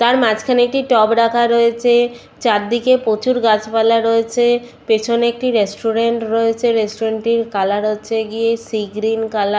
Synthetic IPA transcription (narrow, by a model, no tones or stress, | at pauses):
t̪aɾmad͡ʑkʰaneek̚ʈiʈɔbɾakʰaɾoet͡ɕʰe | t͡ɕaɾd̪ikepot͡ɕuɾɡat͡ɕpalaɾoet͡ɕʰe | pet͡ɕʰonek̚ʈiɾesʈuɾeɳʈɾoet͡ɕʰeɾesʈoɾeɳʈiɾkalaɾɦoːɕʰeɡiesiɡɾinkala